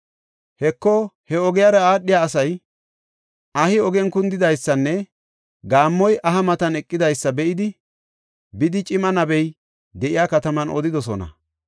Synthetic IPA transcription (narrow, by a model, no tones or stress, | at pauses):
hɛkːɔhɛɔɡɪjaɾɐaːɗːɪjaːs̬ɐj | ɐhɪɔɡɛnkʊnd̪ɪd̪ɐjsːɐnːɛ | ɡaːmːɔjʔɐɦɐmɐt̪ɐnɛkʼːɪd̪ɐjsːɐbɛʔɪd̪ɪ | bɪd̪ɪt͡ʃʼɪmɐnɐbɛj | d̪ɛʔɪjaːkɐt̪ɐmɐnʔɔ̰d̪ɪd̪ɔs̬ɔ̰nɐ̰